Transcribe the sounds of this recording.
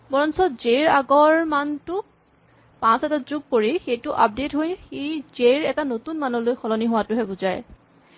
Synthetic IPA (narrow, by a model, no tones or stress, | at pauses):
bɔɹɔnsɔzeɹaɡɔɹmantʊk̚ | pãsɛtazuɡ̚koɹixejtʊʔap̚detɦojxizeɹɛtanotunmanɔlojxɔlɔniɦʊwatʊɦɛbʊzaj